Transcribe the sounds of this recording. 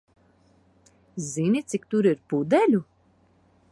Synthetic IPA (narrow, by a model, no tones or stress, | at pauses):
zinʲit̪sik̚t̪uɾiɾpud̪ɛlʲu